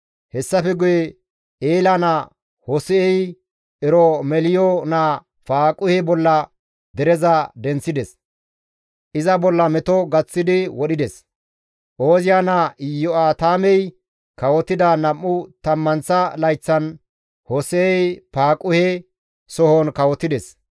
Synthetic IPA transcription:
hɛsːɐfɛɡʊjɛ | eːlɐnɐ | hɔsɛɛj | ɛɾɔmɛlɪjɔna | paːkʼʊhɛbɔlːɐ | d̪ɛɾɛzɐd̪ɛnt͡sːɪd̪ɛs | ʔɪzɐbɔlːɐmɛt̪ɔɡɐt͡sːɪd̪ɪwɔɗɪd̪ɛs | ʔoːzɪjanɐjɔaːt̪aːmɛj | kɐwɔt̪ɪd̪ɐnɐmːʊt̪ɐmːɐnsɐlɐjt͡sːɐn | hɔsɛɛjpaːkʼʊhɛ | sɔhɔnkɐwɔt̪ːɪd̪ɛs

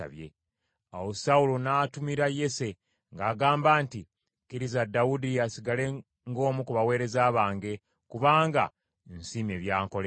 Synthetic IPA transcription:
a̰βje̞̰ | awo̞saulo̞naːtumiɾaje̞se̞ | ŋɡaːɡaːmbaːnti | kiɾizadaudiasiɡale̞ | ŋɡo̞ːmukuβawe̞ːɾe̞zaːβaːŋɡe̞ | kuβaːŋɡa̰ | nsiːme̞βjaːŋko̞le

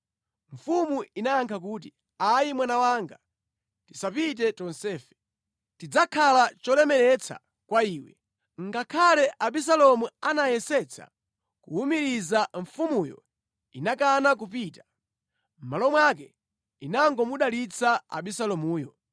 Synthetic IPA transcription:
ɱ̩fumuinajaŋkʰak̬uːt̬i | ajimwanawaŋɡa | tisapit̬ɛtɔnsɛːfɛ̥ | tid͡zakʰalat͡ʃɔlɛmɛɾɛt͡sʰa̰ | kwaiːwɛ̰ | ŋɡakʰalɛʔaɓis̬alɔmuanajɛsɛt͡sʰa̰ | kuumiɾizaɱfumujɔ̰ | inakanak̬upitḁ | m̩malɔmwakɛ | inaŋɡɔmuɗalit͡saa̰ɓisalɔmuːjɔ

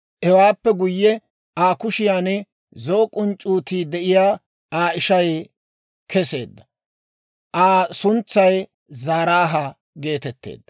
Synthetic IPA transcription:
ʔɛwaːpːɛɡʊjːɛ | aːkʊʃɪjaːnɛ | zoːkʼʊnt͡ʃʼuːt̪iːd̪ɛʔɪjaː | aːɪʃɐj | kʰɛse̞̰ːd̪ːɐ | ʔaːsʊnt͡sːɐj | zaːɾaːɦɐ | ɡe̞ːt̪ɛt̪ːḛːd̪ːɐ

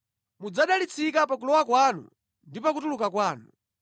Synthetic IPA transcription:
mud͡zaɗalit͡sʰikapak̬ulɔwakwanṵ | ndipakutulukakwaːnu

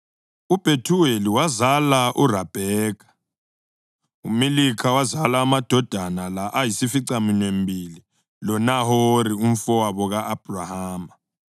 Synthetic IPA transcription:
ub̥ʱetʰuweliwazalaʔurab̥ʱɛːk̬ʰʼḁ | ṵmelikʰawazalaːmad̥ʱɔd̥ʱanalaʔajisifiǀaminwembʱili | lɔnaɦoɾium̩fɔwaβɔɣaʔːb̥ʱurahaːma

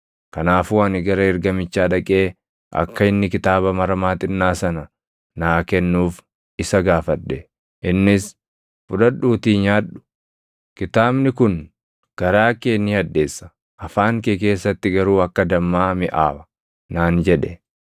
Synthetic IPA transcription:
kɐnaːfuːɐnɪɡɐɾɐɪɾɡɐmɪt͡ʃːaːᶑɐkʼe̞ː | ʔɐ̰kːɐɪnːɪkɪt̪aːbɐmɐɾɐmaːt̪ɪnːaːsɐnɐ | naːkɛnːuːf | ɪsɐɡaːfɐdːɛ | ʔɪnːɪs | fʊᶑɐᶑuːt̪iːɲaːᶑʊ̥ | kɪt̪aːbnɪkʊn | ɡ̥ɐɾaːkeːnːɪhɐd̪ːe̞ːsːɐ̥ | ʔɐfaːŋkek̬e̞ːsːɐt̪ːɪɡɐɾuːɐkːɐd̪ɐmːaːmɪʔaːbɐ̥ | naːnd͡ʒɛᶑɛ

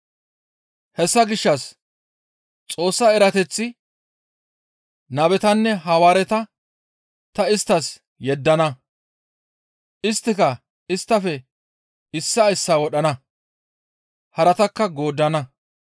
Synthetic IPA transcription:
hɛsːɐɡɪʃːɐs | t͡sʼo̞ːsːɐɛɾɐt̪ɛt͡sːɪ | nɐbɛt̪ɐnːɛɦɐwaːɾɛt̪ɐ | t̪ɐɪst̪ːɐs | jɛd̪ːɐnɐ | ʔɪst̪ːɪkɐ | ɪst̪ːɐfɛ | ɪsːɐɪsːaːwɔɗɐnɐ | hɐɾɐt̪ɐkːɐɡo̞ːd̪ːɐnɐ

